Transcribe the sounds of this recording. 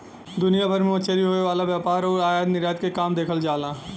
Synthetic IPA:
d̪ʊnijabʱəɾmẽot͡ʃʰeɾiɦoːeʋaːlaʋjaːpaːɾɔːɾaːjaːd̪nɪɾjaːd̪kekaːmd̪eːkʰəld͡ʒaːlãː

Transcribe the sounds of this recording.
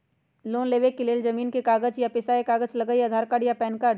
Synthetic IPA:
loːnleːʋekːɪleːld͡ʒɐmiːnkekaːɡəd͡ʒjapɪsaekaːɡət͡ʃlɐɡəjɐd̪ʱaːɾkaːɖjapɛːnkaːɖ

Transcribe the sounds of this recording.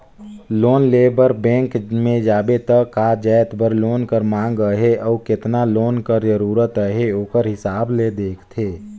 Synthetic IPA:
loːnleːbəɾbɛ̃ːŋkmẽd͡ʒaːbet̪əkaːd͡ʒəːt̪bəɾloːnkəɾmãːŋɡəɦeʔɔːkɪt̪naloːnkəɾd͡ʒəɾuːɾət̪əɦeoːkəɾɦɪsaːbled̪eːkʰt̪ʰeː

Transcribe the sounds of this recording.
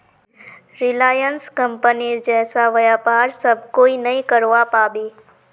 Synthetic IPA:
ɾɪlaːjənskə̃mpəniɾd͡ʒɛːsaʋəjapaːɾsəb̚ʱkoːinɐĩkəɾʋapaːbi

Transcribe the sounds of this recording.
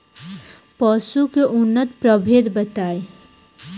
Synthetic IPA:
pəsukeʔʊnːət̪pɾəbʱed̪bət̪aːe

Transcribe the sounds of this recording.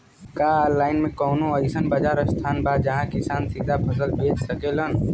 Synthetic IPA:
kaːlaːɪnmẽkɔːnõəɪsənbad͡ʒaːɾəst̪ʰaːnbaːd̪d͡ʒɐɦãkɪsaːnsid̪ʱapʰəsəlbeːt͡ʃsəkelən

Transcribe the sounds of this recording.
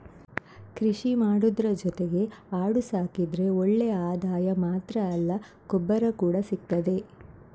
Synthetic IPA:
kɾiʂimaːɽud̪ɾɐd͡ʒɔt̪eɡe̞aːɽusaːkid̪ɾe̞oɭːejɐaːd̪aːjɐmaːt̪ɾɐːlːɐ | kɔbːɐɾɐkuːɽɐsik̚t̪ɐd̪e̞

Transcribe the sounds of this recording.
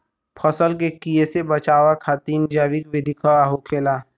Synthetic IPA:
pʰɐsəlk̬ekijesebɐt͡ʃaːʋakʰat̪iːnd͡ʒaːʋikʋɪd̪ʱɪkʰaɦokʰeːlaː

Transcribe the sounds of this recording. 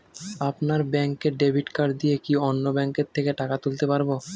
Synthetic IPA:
apnaɾbɛŋkeɖebʱiʈkaɾd̪ijekionːobɛŋkeɾt̪ʰːekeʈakat̪ult̪epaɾbo

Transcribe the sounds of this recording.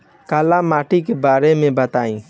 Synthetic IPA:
kaːlamaːʈikebaːɾemẽbət̪aːĩː

